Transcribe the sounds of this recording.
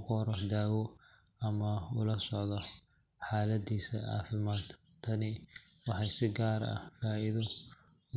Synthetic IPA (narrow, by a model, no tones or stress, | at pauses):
qɔɾɔd̪aːwɔ | ɐmɐʊlɐsɔʕðɔ | ħɑːlɐd̪iːsɐ̰ɑ̰ːfɪmaːd̪ | t̪ʰɐnɪwɑħɑjsɪɡaːɾɐ̰faːɪðɔ